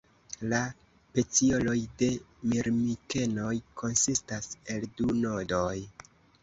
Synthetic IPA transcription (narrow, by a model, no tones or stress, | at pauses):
la | pe̞t͡sio̞lo̞jde̞miɾmike̞no̞jkʰo̞nsistase̞lduno̞do̞j